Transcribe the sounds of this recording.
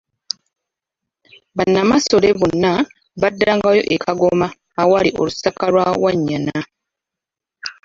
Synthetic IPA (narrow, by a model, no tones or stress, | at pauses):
βanːamaso̞leβonːa | βadːaŋɡajo̞̰ʔekʰaɡomaː | walio̰lusakalwawaɲːana